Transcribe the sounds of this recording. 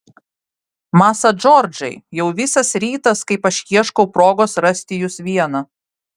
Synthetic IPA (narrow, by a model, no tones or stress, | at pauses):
mɑːsɐd͡ʒɔɾʲd͡ʒɐɪjɛʊʋʲɪsɐsɾʲiːt̪ɐskɐɪpɐʃʲjiɛʃkɔʊpɾoːɡoːsɾɐsʲt̪ʲɪjʊsʋʲiɛnɐ